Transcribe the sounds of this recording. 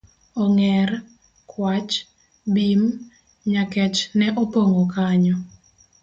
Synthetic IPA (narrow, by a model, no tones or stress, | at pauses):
ɔŋɛr | kʰwat͡ʃ | bim | ɲakɛt͡ʃnɛʔɔpoŋokaɲɔ